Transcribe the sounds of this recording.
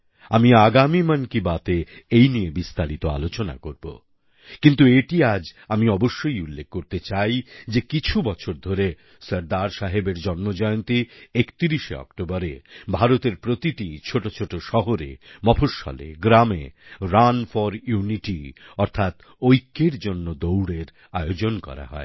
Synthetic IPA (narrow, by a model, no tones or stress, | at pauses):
amiaɡamimankibat̪eejniebist̪aɾit̪oa̰lot͡ɕona̰koɾbo̰ | kint̪ueʈiad͡ʑamiɔboʃːojulːek̚kːoɾt̪et͡ɕajd͡ʑekit͡ɕʰubɔt͡ɕʰoɾd̪ʱoɾe | səɾd̪aɾʃaɦebeɾd͡ʑɔnmod͡ʑɔjont̪iekt̪iɾiʃḛɔ̰kʈobaɾebʱaɾot̪eɾpɾot̪iʈit͡ɕʰoʈot͡ɕʰoʈoʃɔɦoɾḛmɔpʰoʃɔ̰lḛɡɾamḛɾanfɔɾjuniʈiɔɾt̪ʰat̪ | ojkːeɾd͡ʑonːod̪owɽeɾ | aeod͡ʑonkɔ̰ɾa̰ɦɔ̰e